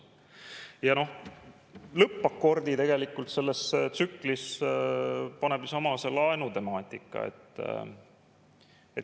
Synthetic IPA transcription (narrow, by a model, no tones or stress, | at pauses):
jɑno̞h | lɤpːɑko̞rd̪̥it̪e̞ɡe̞likːˑult̪se̞lːe̞st̪sykːlis | pɑne̞bjusɑmɑselɑenut̪e̞mɑːt̪ʲˑikˑːɑ̰ḛt̪ːˑ | et̪